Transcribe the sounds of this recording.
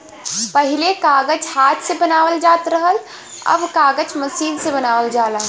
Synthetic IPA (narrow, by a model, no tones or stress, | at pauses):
pəɦilekaɡəd͡ʒhat̪ʰsebənawəld͡ʒat̪ɾəɦəl | ə̰bkaɡət͡ʃməsinsebənawəld͡ʒala